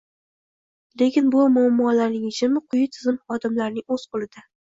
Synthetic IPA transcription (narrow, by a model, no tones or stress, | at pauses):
le̞kʲɪnbʊmʊamːɒlaɾnɪŋɪt͡ʃʰɪmɪqʰʊjɪt̪ʰɪzɪmχɒd̪ɪmlaɾnɪŋɵzqʰʊlˠɪd̪̥a